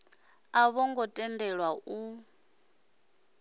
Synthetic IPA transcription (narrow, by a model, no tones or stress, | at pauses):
aβɔŋɡɔtʼɛndɛɺwau